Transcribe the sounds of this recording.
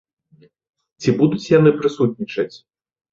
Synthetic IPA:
t͡sʲibud̪ut͡sʲjan̪ɨpɾɨsut̪̚nʲit͡ʂɐt͡sʲ

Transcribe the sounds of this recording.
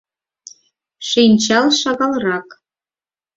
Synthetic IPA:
ʃinʲt͡ɕɑlˠʃɑɣɑlˠrɑk

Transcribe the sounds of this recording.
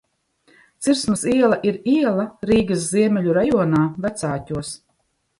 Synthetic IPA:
t̪siɾsmasiɛlˠaʔiɾiɛlˠaɾiːɡas̬ziɛmʲɛlʲuɾajuɔnaːvæt̪saːtʲuɔs

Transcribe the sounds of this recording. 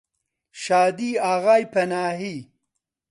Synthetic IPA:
ʃaːd̪iaɣaːjpɐnaːɦi

